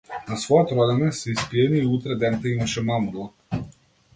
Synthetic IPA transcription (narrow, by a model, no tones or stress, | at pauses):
nasvɔjɔt̪ɾɔd̪ɛnɛsɛispiɛniːut̪ɾɛd̪ɛnt̪ɛimaʃɛmamulˠɔk